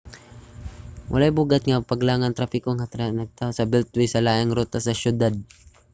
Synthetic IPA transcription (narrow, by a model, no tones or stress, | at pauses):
wʔɐ̰lajbuːɡat̪̚ŋapaɡlaːŋant̪ɾafɪkoŋat̪anɐɡ̚t̪aːosɐbɛlt̪̚wijsɐlaːʔɪŋɾut̪asɐʃʊd̪ad̪̚